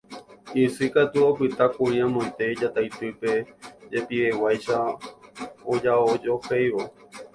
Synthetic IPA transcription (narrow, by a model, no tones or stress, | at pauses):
isɨkat̪uopɨt̪akũĩãmõẽt̪ed͡ʒat̪ajt̪ɨpe̞d͡ʒe̞piewajʃa | od͡ʒaod͡ʒo̞hejʋo